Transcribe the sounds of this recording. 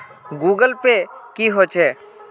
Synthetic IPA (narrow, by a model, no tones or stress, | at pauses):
ɡuːɡəlpekiːɦoːt͡ʃʰɛː